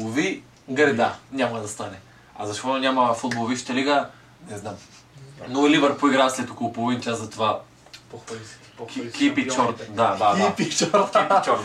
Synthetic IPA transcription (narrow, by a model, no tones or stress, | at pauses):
ovi | ɡɾɛd̪anʲamɐd̪ɐst̪anɛ | azɐʃt̪ɔt̪onʲamɐfud̪̚bolˠoviʃt̪ɐliɡə | nɛznam | nolivɛɾpoiɡɾaslɛt̪okolˠopolˠovint͡ʃazɐt̪ova | kkipit͡ʃɔɾt̪d̪ad̪adpit͡ʃɔɾt̪kipit͡ʃɔɾt̪